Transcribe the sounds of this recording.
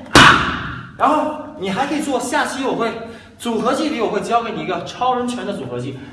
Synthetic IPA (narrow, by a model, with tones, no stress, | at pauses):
ɻa˧˥nxo˥˩ʊni˨˩xa˧˥ɪkʰɤ˧˥i˨˩t͡swɔ˥˧ɕja˥˩t͡ɕi˧˥jo˨˩ʊxwe˥˩ɪ | t͡su˨˩xɤ˧˥t͡ɕi˥˩ljo˨˩ʊxe˥˧˩t͡ɕke˧˥ɪni˨˩i˧˥ɡə˧ʈ͡ʂʰɑ˥ʊɻwə˧˥nt͡ɕʰɥə˧˥nd̪ə˧t͡su˨˩xɤ˧˥t͡ɕi˥˩